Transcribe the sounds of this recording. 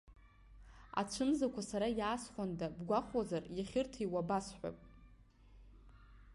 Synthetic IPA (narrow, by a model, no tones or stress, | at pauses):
a̰t͡ʃʷʰɨmzakʷʰasaɾajaːsχʷandabɡʷaχazarjaχʲɪrtʰaiwabasħʷᶣa̰pʼ